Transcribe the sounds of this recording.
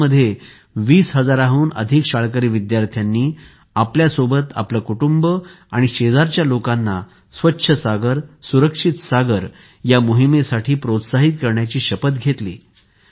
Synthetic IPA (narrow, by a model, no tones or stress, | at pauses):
əd̪ʱːje | ʋiːsɦəd͡zaɾaɦuːnə̰d̪ʱikɕaɭkəɾiːʋid̪jaɾt̪ʰjanːiː | apljasobət̪a̰pləkuʈumbə | aɽ̃iɕed͡zaɾt͡ɕjalokanːa | sʋətːɕʰəsaɡəɾsuɾəkʂit̪saɡəɾ | jamoɦimesaʈʰiːpɾot̪saɦit̪̚kəɾɳjat͡ɕiːɕəpət̪̚ɡʱet̪lḭː